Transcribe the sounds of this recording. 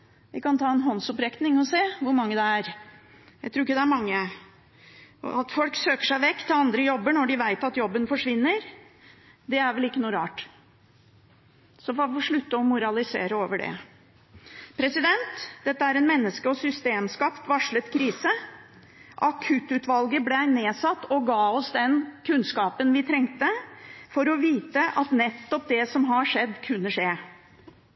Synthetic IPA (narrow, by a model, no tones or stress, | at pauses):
ʋɪkɑnt̪ʰɑːɛnɦɔnsɔpɾɛknɪŋɔseːʋʊɾmɑŋːəd̪ɛæɾ | jæɪt̪ʰɾuːɪkːəd̪ɛæɾmɑŋːə | ɑt̪fɔlksøːkə̥ʂæɪʋɛkːt̪ʰːɪlɑnd̪ɾəjɔbːəɳɔɖɪʋæɪt̪ɑt̪jɔbːənfɔʂʋɪnːəɾ | d̪ɛæɾʋɛlɪkːənuːɾɑːʈ | sɔfɔɾɔfɔʂɭʉt̪ːəɔmʊɾɑlɪsḛːɾəoːʋəɖɛ̰ | pʰɾɛsɪd̪ɛnt̪d̪̥ɛt̪ːəæɾɛnmɛnːəskəɔsʏst̪eːmskɑpt̪ʋɑʂɭət̪kʰɾiːsə | ʔɑkʰʉt̪ʉːt̪ʋɑlɡəblɛæɪneːsɑt̪ːɔɡɑːɔsd̪ɛnkʰʉnskɑːpənʋɪt̪ʰɾɛŋt̪əfɔɾɔʋiːt̪əʔɑt̪nɛt̪ːɔp̚d̪ɛsɔmɦɑʂɛd̪ːkʰʉnːəʂeː